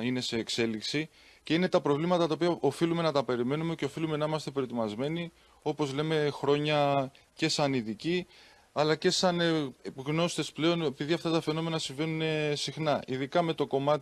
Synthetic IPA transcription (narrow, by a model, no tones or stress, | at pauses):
ine̞se̞ːkse̞liksi | ce̞ine̞t̪ɐpɾo̞vlimɐt̪ɐt̪ɐopiɐo̞filumenɐt̪ɐpe̞ɾime̞nume̞ce̞o̞filume̞nɐimɐst̪e̞pɾo̞t̪imɐzme̞ni | o̞po̞zle̞me̞xɾo̞ɲɐ | ce̞sɐniðici | ɐlɐce̞sɐnɣno̞st̪e̞sple̞o̞ne̞piðiɐft̪ɐt̪ɐfe̞no̞me̞nɐsiɱve̞nune̞sixnɐiðikɐme̞t̪o̞ko̞mɐt̪